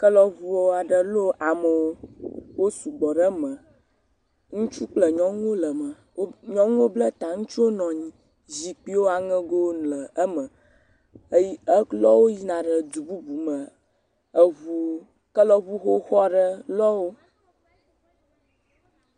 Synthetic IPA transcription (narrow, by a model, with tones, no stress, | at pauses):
kə˦lɔ˦vu˦wɔ˦a˨ɖə˨lo˦ʔa˨mə˨wo˦wo˦su˨ɡ͡bɔ˨ɖə˦mə̃˨ | ŋũ˦t͡ʃu˦k͡plə˨ɲɔ̃˦ŋ˦wo˦lə˨mə˨˦ | ɲɔ̃˦ŋu˦o˦blə˦t̪a˨ŋũ˦t͡ʃu˦wo˦nɔ̃˨ɲĩ˦ | zi˨k͡pi˦wo˦a˨ŋə̃˦ɡo˦nlə˨ə˦mə̃˨˦ | ji˦ə˦lɔ˦wo˦ji˦nã˨ɖə˨d̪u˨bu˦bu˨mə˨ | ə˦vu˦ | kə˦lɔ˦βu˦xo˦xɔ˦ɖə˦lɔ˦wo˦